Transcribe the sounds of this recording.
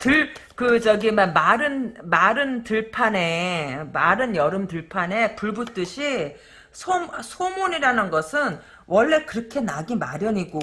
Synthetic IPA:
tɯɭkɯt͡ɕʌɡimamaɾɯnmaɾɯntɯɭpʰane̞maɾɯnjʌɾɯmtɯɭpʰane̞puɭbut͈ɯɕʰi | sʰomsʰomoɲiɾanɯnɡʌsʰɯn | wʌɭːe̞kɯɾʌkʰe̞naɡimaɾjʌɲiɡo

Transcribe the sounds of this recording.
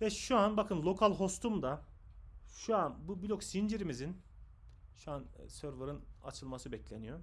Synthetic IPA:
vɛʃuanbakʰɯnlˠo̞kʰalʲˠɦo̞st̪ʰumd̪a | ʃuanbubilʲoksind͡ʒiɾimizin | ʃuansøɾvaɾɯna̰t͡ʃʰɯlˠmasɯbɛclʲenijo̞

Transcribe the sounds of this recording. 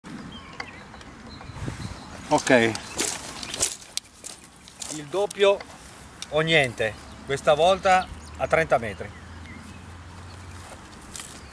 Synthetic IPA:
okɛj | ild̪opːjoː | ɲjɛnt̪ekwest̪avɔlt̪aːt̪ːɾɛnt̪amɛːt̪ɾi

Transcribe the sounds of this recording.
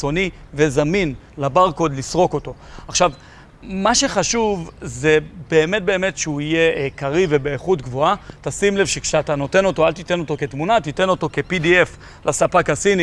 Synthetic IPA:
t͡so̞nive̞zamin | labaʁkod̪lisʁo̞ko̞to̞aχʃav | maʃe̞χaʃuvze̞be̞ːme̞t̚be̞ːme̞tʃeuije̞kaʁive̞beːχutɡvo̞atasimle̞vʃe̞kʃeatano̞te̞no̞to̞alt̪it̪e̞no̞to̞ke̞tmunat̪ite̞no̞to̞ke̞pidief | lʔasapakasini

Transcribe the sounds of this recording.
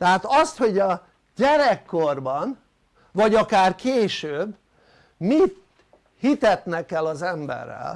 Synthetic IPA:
t̪ɛɦaːt̪ɒst̪ho̞ɟɒ | ɟɛɾɛkːorbɒn | vɒɟɒkaːrkʰeːʃøːbː | mit̪ | hit̪ɛt̪nɛkɛlɒzɛmbɛ̰rːɛ̰l

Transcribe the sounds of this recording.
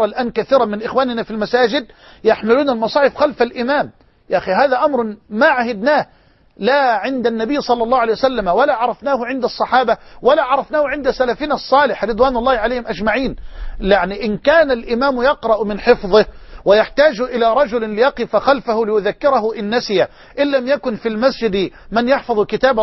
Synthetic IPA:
ɑlʔaːnkaθiːɾɑmɪnʔɪxwaːnɪnafilmasaːd͡ʒɪd̪̚ | jaħmɪluːnalmɑsˤɑːħɪfxalfalʔɪmaːm | jaʔxiɦaːðaʔamɾˤmaʕahɪd̪naː | laʕɪnd̪anːabɪjːsˤɑlːɑlːɑːʕlejwasalːamwalaʕɑɾˤɑfnaːhʊʕɪnd̪ɑsˤːɑħɑːbawalaʕɑɾˤɑfnaːhʊʕɪnd̪asalafiːnsˤːɑːlɪħɾɨd̪ˤwaːnɑlˤːɑːhʕaleːhɪmʔad͡ʒmaʕiːnlaʕniʔɪnkaːnalʔɪmaːmjɑqɾˤɑʔmɪnħɪfðˤɨhwɪjaħt̪aːd͡ʒʔɪlaɾˤɑd͡ʒʊllɪjɑqɨfaxalfahʊlɪjʊðakːɪɾɑɦʊʔɪnːasɪja | ʔɪnːamjakʊnfilmasd͡ʒɪd̪mɪnjɑħfɑðˤkɪt̪aːb

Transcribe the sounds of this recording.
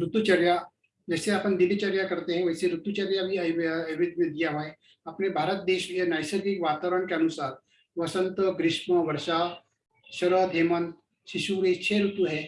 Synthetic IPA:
ɾut̪ut͡ʃɐɾja | d͡ʒɛːseɐpənd̪ilit͡ʃɐɾjakɐɾt̪eɦɛ̃ʋɐjseɾut̪ːut͡ʃɐɾjabʱiɐɐʋid̪mid̪jaɦae | ɐpnebʱaːɾət̪̚d̪eːʃjenajsəɾɡikʋaːt̪aːʋəɾəɳkeɐnusaːɾ | ʋɐsə̃nt̪əɡɾɪʃməʋɐɾʃa | ʃɐləd̪ʱeːmən | ʃiʃuɾet͡ʃʰeɾut̪uɦɛ

